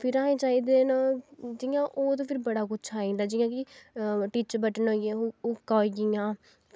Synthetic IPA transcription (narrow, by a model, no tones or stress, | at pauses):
pʰɪɾaːẽːt͡ʃaːiːd̪eːnaːd͡ʒijãːʔoːt̪̬õːpʰɪɾbəɽaːkʊt͡ʃʰaːĩːnd̪aːd͡ʒiːjãːkɪʈiːt͡ʃbəʈənɦoːãʊkːaːiɡijãː